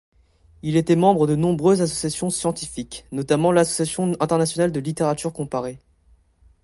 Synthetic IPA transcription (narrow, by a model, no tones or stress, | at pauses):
ilet̪ɛmɑ̃bʁəd̪ənɔ̃bʁøzasɔsjasjɔ̃sjɑ̃t̪ifiknɔt̪amɑ̃lasɔ̥sjasjɔ̃ɛ̃t̪ɛʁnasjɔnald̪əlit̪eʁat̪yʁkɔ̃paʁe